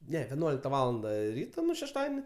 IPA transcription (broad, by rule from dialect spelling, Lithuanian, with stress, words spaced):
ˈnʲɛ ʋʲɛˈnuɔlʲɪktɐ ˈʋɑːlˠɐndɐ ˈrʲiːtoː ˈnʊ ʃʲɛʃˈtɑːdʲiɛnʲɪ